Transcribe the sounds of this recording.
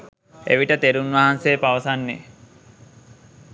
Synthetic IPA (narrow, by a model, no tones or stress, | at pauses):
ḛʋiʈət̪eɾunʋaɦanseːpaʋəsanːḛ